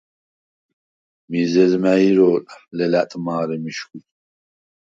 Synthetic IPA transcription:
mizɛzmæiɾɔːllɛlæt̪ʼmaːɾɛmiʃkut

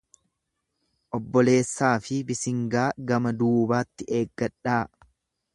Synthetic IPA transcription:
ʔɔbːɔle̞ːsːaːfɪbɪsɪŋɡaːɡɐmɐd̪uːbaːt̪ːɪeːɡːɐᶑaː

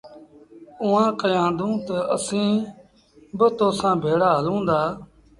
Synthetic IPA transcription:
ʊːãːkəjãːnd̪ũːt̪əʔəsĩː | bət̪oːsãːbʱeːɽaːɦəlũːnd̪aː

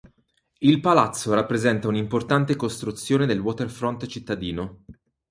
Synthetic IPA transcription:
ilpalat̪sːoɾapːɾezɛnt̪aunimport̪ant̪ekost̪ɾut̪sːjoːned̪elwɔt̪erfɾɔnt̪t͡ʃit̪ːad̪iːno

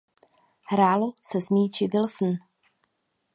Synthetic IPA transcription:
hɾaːlosɛzmiːt͡ʃɪvɪlsn̩

